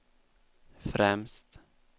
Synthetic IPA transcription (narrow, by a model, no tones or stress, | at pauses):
fɾɛmst̪